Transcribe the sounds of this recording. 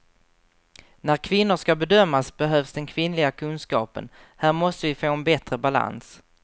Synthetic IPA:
næɾkʰvɪnːʊʂkabɛd̪œmːasbɛɦœːvsd̪ɛnkʰvɪnlɪɡakʰɵnskɑ̰ːpə̰n | hæːɾmɔst̪əvɪfoːɛnbɛt̪ɾəbala̰ns

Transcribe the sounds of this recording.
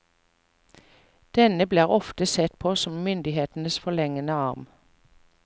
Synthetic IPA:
d̪̥ɛnəbleːʁɔft̪əsɛt̪pʰoːsɔmmʏnd̪ɪheːt̪n̩əsfɔlɛŋənəɑʁm

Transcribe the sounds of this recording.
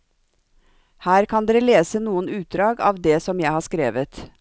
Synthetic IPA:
hæːɾkʰɑnd̪eːɾəleːsənuːənʉːt̪̚d̪ɾɑːɡɑ̰ːʋd̪eːsɔmjæɪhɑːskɾḛːʋət̪

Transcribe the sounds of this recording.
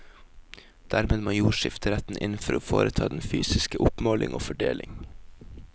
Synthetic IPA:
d̪̥æːɾmeːd̪moːjuːʃɪft̪əɾɛt̪n̩ʔɪnn̩fɔɾoːfo̰ːɾət̪ʰɑːd̪ɛnfyːsɪskəʔʊpmoːlʔɪŋʔo̰ːfɔɖeːlɪŋ

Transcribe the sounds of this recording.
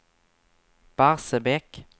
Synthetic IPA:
b̥aʁsəbɛk

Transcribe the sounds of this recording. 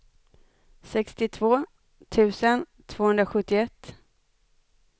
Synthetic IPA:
sɛkst̪ɪt̪ʰvoː | t̪ʰʉ̟ːsən | t̪ʰv̥oːhɵnɾaɧɵt̪ːɪɛt̪ː

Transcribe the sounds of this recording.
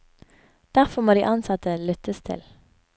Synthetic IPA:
d̪̥æʁfɔmoːd̪iːʔɑnsɑt̪əlʏt̪əst̪ʰɪ̰l

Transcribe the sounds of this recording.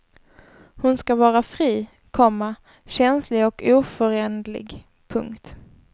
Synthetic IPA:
hʊnskavɑːɾafɾiː | kʰɔmːa | ɕɛnslɪɡɔkuːfœɾɛnd̪lɪ̰ɡ | pʰɵ̰ŋkt̪

